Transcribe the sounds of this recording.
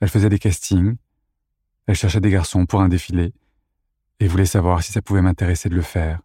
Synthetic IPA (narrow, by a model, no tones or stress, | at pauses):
ɛlfəzɛd̪ekast̪ʰiŋ | ɛlʃɛʁʃɛd̪eɡaʁsɔ̃puʁɛ̃d̪efile | evulɛsavwaʁsi̥sapuvɛmɛ̃t̪eʁesed̪ələfɛːʁ